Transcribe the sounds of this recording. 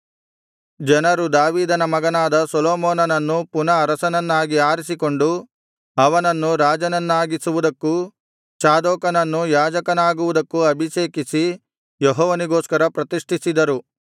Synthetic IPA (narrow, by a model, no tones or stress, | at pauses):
d͡ʒɐnɐɾud̪aːʋiːd̪ɐnɐmɐɡɐnaːd̪ɐsɔlɔːmɔːnɐnɐnːupunɐːɾɐsɐnɐnːaːɡiaːɾisiko̞ɳɖu | ɐʋɐnɐnːuɾaːd͡ʒɐnɐnːaːɡisuʋud̪ɐkːu | t͡ʃaːd̪ɔːkɐnɐnːujaːd͡ʒɐkɐnaːɡuʋud̪ɐkːuɐbʱiʃeːkisi | jɔɦɔːʋɐniɡoːskɐɾɐpɾɐt̪iʂʈʰisid̪ɐɾu